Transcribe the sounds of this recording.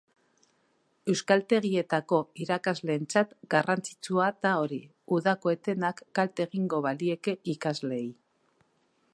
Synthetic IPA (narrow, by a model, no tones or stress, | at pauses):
e̞wskalt̪e̞ɣie̞t̪ako̞iɾakazle̞ːnt͡sat̪ɡarʔant͡si̥t͡suat̪ao̞ɾi | uðako̞e̞t̪e̞nakːalt̪e̞ɣiŋɡo̞βalie̞ke̞ʔikazle̞j